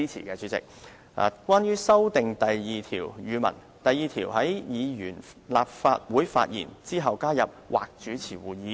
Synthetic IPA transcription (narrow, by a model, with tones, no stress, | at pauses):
i˥t͡sʰḭ˨˩kɛː˧t͡ʃyː˨˥t͡sɪ̰˨k̚ | a̰ː˨˩kʷwaː˥njyː˥sɐ˥wt̪ɪ˨ŋt̪ɐ˨jjiː˨t̪ʰiː˨˩wjyː˨˧mɐ̰˨˩n | t̪ɐ˨jiː˨˧t̪ʰiː˨˩whɐ˨˥jjiː˨˧jyː˨˩n | laː˨p̚fa̰ː˧t̚wuː˨˥jfa̰ː˧t̚jḭː˨˩nt͡siː˥ɦɐ˨wkaː˥jɐ˨p̚wʔa̰ː˨k̚t͡ʃyː˨˥t͡sʰiː˨˩wuː˨jiː˨˧˥